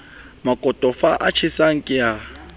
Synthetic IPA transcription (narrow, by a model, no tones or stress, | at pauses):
makʼɔtʼɔfaʔat͡ʃʰisaŋ̩kʼɪja